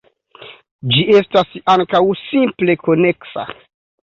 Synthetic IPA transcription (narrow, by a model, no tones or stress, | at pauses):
d͡ʒie̞stasaŋkawsimple̞ko̞ne̞ksa̰